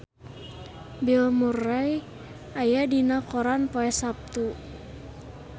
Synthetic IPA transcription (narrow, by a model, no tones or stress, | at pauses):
bilmuraj | ajadinakɔɾanpoɛsap̚t̪u